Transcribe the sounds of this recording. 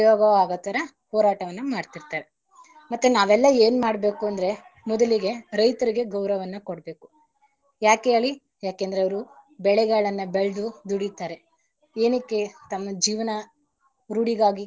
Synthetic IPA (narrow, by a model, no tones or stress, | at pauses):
jɔːɡɐʋaːɡɐt̪ːɐɾɐ | hɔːɾaːʈɐʋɐnːɐmaːɖt̪iɾt̪aːɾe | mɐt̪ːunaːʋɛlːɐeːnmaːɽbe̞ːkuɐnd̪ɐɾe̞ | mɔd̪ɐliɡe̞ɾɐjt̪ɐɾiɡe̞ɡɐwɾɐʋɐnːɐkoɽbe̞ːku̥ | jaːkeeːɭi | jaːkend̪ɐɾeɐʋɐɾubɛɭɛɡaːɭɐnːɐbeɭd̪ud̪uɽit̪aːɾe̞ | eːnikːet̪ɐmːɐd͡ʒiːʋɐnɐ | ɾuːɽiɡaːɡi